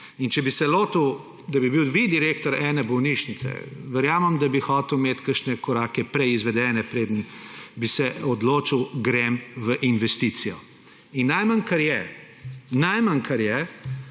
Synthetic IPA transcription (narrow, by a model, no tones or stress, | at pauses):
int͡ʃɛbisɛloːt̪əw | d̪abibiwd̪ʋid̪iɾeːkt̪ɔɾɛːnɛbɔwniʃnit̪sɛ̰ʋɛɾjaːməmd̪abixɔːt̪əwmeːt̪kəɾʃnɛkɔɾaːkɛpɾɛizʋɛd̪ɛnɛpɾeːd̪ənbisɛɔd̪loːt͡ʃiwɡɾemʋəʔinʋɛst̪it̪sijɔ | inːajmankɐɾjɛ | najmankʰɐɾjɛ